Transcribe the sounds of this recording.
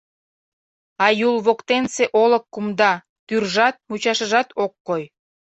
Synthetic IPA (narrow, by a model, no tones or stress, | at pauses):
ɑjulβokt̪enseʔoləkːumd̪ɑ | t̪yrʒɑt̪̚mut͡ɕɑʃəʒɑt̪okːoj